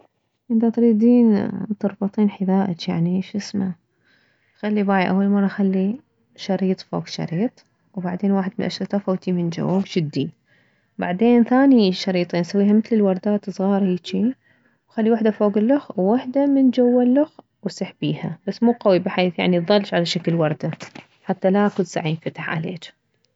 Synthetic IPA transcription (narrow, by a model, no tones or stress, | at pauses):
ʔɪnt̪at̪ɾiːd̪iːnt̪ʊɾˤbɑt̪ˤiːnħɪðaːʔat͡ʃjaʕniʃʔɪsma | xalːibaːʕiʔawːalmɑrˤːɑxalːi | ʃɑɾiːt̪ˤfo̰ːɡʃɑ̰ɾiːt̪ˤ | wbaʕd̪eːnwaːħɪd̪mɪnʔaʃɾɑt̪ˤɑfoːt̪imɪnd͡ʒa̰woːɡd͡ʒɪd̪ːi | ba̰ʕd̪eːnθaːniʃɑɾiːt̪ˤensawːiːɦamɪθlɪlwɑɾˤd̪aːt̪ɨsˤɣɑːɾˤɑɪt͡ʃi | wxalːiwaħd̪afoːɡɪlːʊxwwaħd̪amɪnd͡ʒawːalːʊx | wsɪħbiːhabasːmuːqawibɪħaːθja̰ʕniðˤɑlːʃʕalaʃakɪlwɑɾˤd̪a | ħat̪ːalaʔkʊsa̰ʕiːnfat̪ḁħʕa̰lḛːt͡ʃ